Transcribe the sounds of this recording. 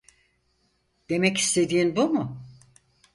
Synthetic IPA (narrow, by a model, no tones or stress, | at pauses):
d̪̥e̞mɛci̥st̪ʰe̞d̪iːnbumʊ